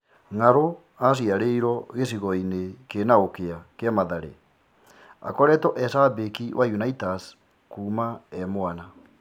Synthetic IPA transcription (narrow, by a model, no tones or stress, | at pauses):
ŋaɾo | as̬iaɾeiɾɔɣes̬iɣɔinekenaokeakeamaðaɾḛ | a̰kɔɾɛtɔʔɛsabekiwʔajunaitas | kuːmaɛmoana